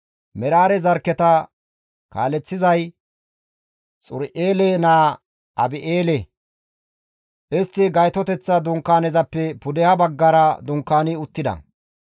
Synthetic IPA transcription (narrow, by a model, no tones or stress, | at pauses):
mɛɾaːɾɛzɐɾkːɛt̪ɐ | ka̰ːlɛt͡sːɪzɐj | t͡sʼʊɾʔeːlenaː | ʔɐbɪʔeːlɛ | ʔɪst̪ːɪɡɐjt̪ɔt̪ɛt͡sːɐd̪ʊŋkːaːnɛzɐpːɛpʊd̪ɛhɐbɐɡːɐɾɐd̪ʊŋkːaːnɪʊt̪ːɪd̪ɐ̰